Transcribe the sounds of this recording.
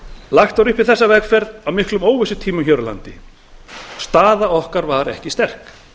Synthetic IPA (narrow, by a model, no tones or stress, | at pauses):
laxt̪aɾʏhpɪɾ̥θɛsːavɛkfɛɾðawmɪhklʏmoːwvɪsʏt̪ʰiːmʏçœɾala̰nt̪ɪ | st̪aːðaɔhkaɾvaɾɛ̰hcɪst̪ɛr̥k